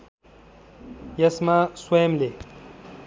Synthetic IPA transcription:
jɐsmaswɐjemle

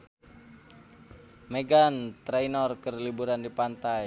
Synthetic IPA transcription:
meɡant̪ɾɛjnɔrkərlibuɾandipant̪aj

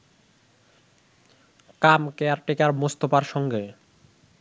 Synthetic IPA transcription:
kamkeaɾʈekaɾmost̪opaɾʃɔŋɡe

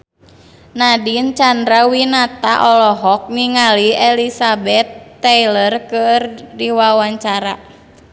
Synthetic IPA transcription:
nadint͡ʃand̪ɾawinat̪aʔɔlɔɦɔk̚niŋaliɛlisabɛt̪ːɛjlərkɨrdiwawaɲt͡ʃaɾa̰

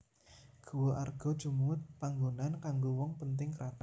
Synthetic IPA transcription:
ɡ̥uwoʔarɡ̥ɔ̤d̥ʒ̥umt̪̚paŋɡonankaŋɡowɔŋpənt̪̬ɪŋkəɾat̪a

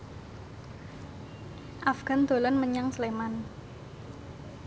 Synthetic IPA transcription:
ʔafɡ̥a̤nd̪̥o̤lɔnməɲaŋsleman

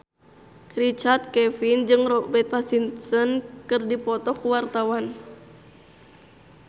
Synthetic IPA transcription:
rit͡ʃart̪̚kɛfind͡ʒɨŋrɔbɛt̪̚pasint̪sənkɨrdipɔt̪ɔkuwart̪awan

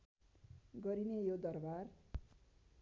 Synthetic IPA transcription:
ɡʌɾinejod̪ʌrbar

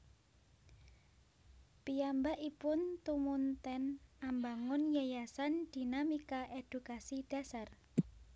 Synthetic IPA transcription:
piambaʔipʊnt̪umunt̪ɛnambaŋʊnjajasand̪̥i̤namikaʔed̪̥ukasid̪̥a̤sar

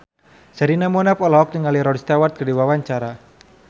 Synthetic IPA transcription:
saɾinamɔnapɔlɔɦɔk̚niŋaliɾɔdst̪awart̪̚kərdiwawaɲt͡ʃaɾa

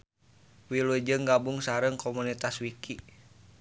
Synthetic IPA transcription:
wilud͡ʒɨŋɡabuŋsaɾəŋkʰomunit̪aswikʰi

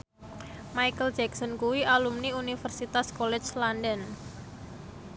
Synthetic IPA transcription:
majkəld͡ʒɛksɔnkuwialumniunifərsit̪askolɛt͡ʃlandən

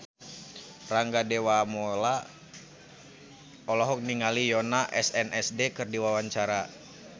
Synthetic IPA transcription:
raŋɡadewamɔla | ɔlɔɦɔk̚niŋalijɔnaʔɛsɛnɛsdekɨrdiwawaɲt͡ʃaɾa

